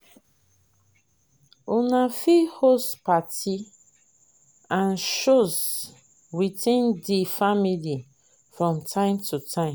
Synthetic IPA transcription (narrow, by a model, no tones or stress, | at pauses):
unafihospati | ãnʃoz | witĩndifamili | fɹɔ̃mtʰãɪ̃mtʰutʰãɪ̃m